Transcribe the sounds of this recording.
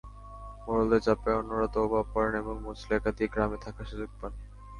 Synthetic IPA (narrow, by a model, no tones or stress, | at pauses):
moɾold̪ed͡ʑapeɔnːoɾat̪oobapɔɾeneboŋmot͡ɕlekat̪iɡɾamet̪ʰakʰaʃud͡ʑoɡ̚pan